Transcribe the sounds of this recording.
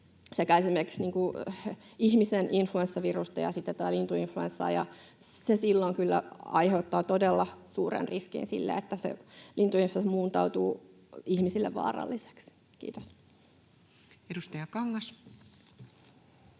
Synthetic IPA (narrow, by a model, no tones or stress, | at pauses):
sekæiesimerki̥ksniːŋku | ihmisenʔinfluensːɑʋirust̪ɑjɑ̰sit̪ːæt̪æt̪ːælint̪uinfluensːɑ̰ːjɑ̰ | sesilːoŋkylːæ̰ɑiheut̪ːɑːt̪odelːɑsuːrḛnriskḭnsḭlːḛet̪ːæsḛlint̪uinflesmuːnt̪ɑut̪uː | ihmisilːḛʋʋɑ̰ːrɑ̰lːise̥ks | kḭːt̪os | edust̪ɑjɑkɑŋːɑs